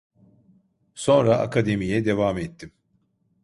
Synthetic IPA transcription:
so̞nɾaʔa̰kʰad̪e̞mijɛd̪e̞vaːmɛt̪ʰːim

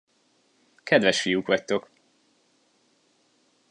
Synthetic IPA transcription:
kʰɛd̪vɛʃfijukʋɒct̪o̞k

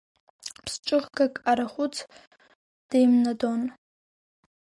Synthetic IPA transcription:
pʰsʈ͡ʂʼɨʁɡakʼaɾaχʷʊt͡sʰ | d̥ejmnadon

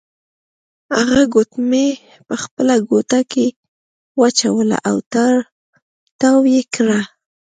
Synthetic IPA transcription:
haɣaɡot̪me | pəxpəlaɡot̪ake | wat͡ʃawəla̰ʔawt̪aɾ | t̪awjekɾa

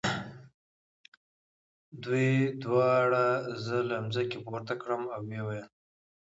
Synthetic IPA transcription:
d̪ujd̪wɑɽazəlamzakepoɾt̪akɽəmawwewajəm

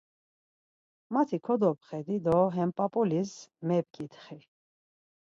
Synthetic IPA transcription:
mat̪ʰikʰɔd̪ɔpχɛd̪id̪ɔɦɛmpʼapʼɔlismɛb̚kʰʼit̪χi

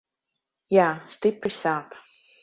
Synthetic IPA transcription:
jæstɪpəsap

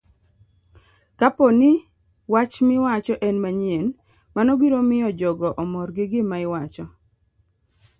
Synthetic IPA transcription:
kapɔnɪ | wat͡ʃmɪwat͡ʃɔʔɛnmaɲien | manɔbiɾomɪjɔd͡ʒɔɡɔʔɔmɔrɡɪɡɪmaɪwat͡ʃɔ

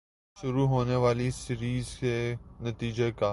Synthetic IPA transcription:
ʃʊɾuɦoːneʋaːlisɪɾiːzkenɐt̪iːd͡ʒeka

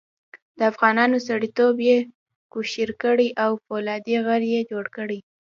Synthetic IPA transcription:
d̪̥əafɣɑnɑnosaɽit̪obje | kuʃiɾkəɽiʔawfolɑd̪iɣəɾjed͡ʒoɽkəɽi

